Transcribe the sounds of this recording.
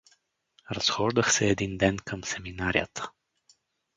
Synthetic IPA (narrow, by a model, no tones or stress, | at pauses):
rəsxoʒd̪əxseed̪ind̪enkʰəmseminaɾia̰t̪ʰə̥